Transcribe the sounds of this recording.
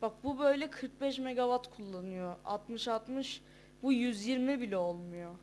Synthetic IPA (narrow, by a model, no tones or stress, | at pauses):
b̥ak̚bubø̞jlʲɛkʰɯɾk̚bɛʃmeɡavat̪kʰulˠːanɯjoa̰t̪mɯʃalˠt̪mɯʃ | bujyzjiɾmibilʲɛolˠmujo